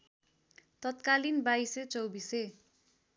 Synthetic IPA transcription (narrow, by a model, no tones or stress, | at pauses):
t̪ʌt̪kalinbajset͡sʌwbise